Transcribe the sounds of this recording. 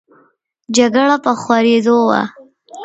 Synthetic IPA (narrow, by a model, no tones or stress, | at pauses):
d͡ʒaɡəɽapəxwaɾed̪owa̰